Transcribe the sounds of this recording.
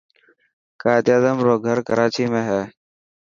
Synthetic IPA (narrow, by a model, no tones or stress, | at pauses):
kaːt̪jaːzəmɾoːɡʱəɾkəɾaːt͡ʃiːmẽːɦɛː